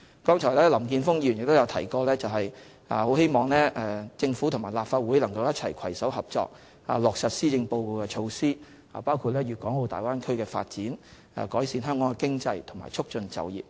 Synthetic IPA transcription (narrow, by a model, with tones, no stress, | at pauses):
kɔː˥ŋt͡ʃʰɔ˨˩jlɛː˥lɐ˨˩mkiː˧nfʊ˥ŋji˧˨njɪ˨k̚t̪o˥wjɐ˨˧wt̪ʰɐ˨˩jkɔː˧lɛː˥t͡sɐ˨wɦɐ˨j | ʔa̰ː˨ho˨˥whe˥jmɔː˨ŋlɛː˥ɛː˨˩t͡sɪ˧ŋfuː˨˥t̪ʰʊ˨˩ŋmaː˨˩jlaː˨pfaː˧t̚wu˨˥jlɐ˨˩ŋkɐ˧wjɐ˥t̚t͡sʰɐ˨˩jkʰɐ˨˩jsɐ˨˥wɦɐ˨p̚t͡ʃɔ̰ː˧k̚ | a̰ː˨˩lɔː˨k̚sɐ˨t̚siː˥t͡sɪ˧ŋpo˧wko˧wkɛ˧t͡ʃʰo˧wsiː˥ | a̰ː˨˩paː˥wkʰuː˨˧t̚lɛː˥jyː˨kɔː˨˥ŋho˧wt̪a̰ː˨˩jwaː˥nkʰɵ˥ɥkɛː˧fa̰ː˧t̚t͡siː˨˥n | a̰ː˨˩kɔː˨˥jsiː˧nɦœː˥ŋkɔː˨˥ŋkɛ˧kɪ˥ŋt͡sɐ˧jt̪ʰʊ˨˩ŋma̰ː˨jt͡ʃʰʊ˥k̚t͡ʃɵ˧nt͡sɐ̰˨wjḭː˨p̚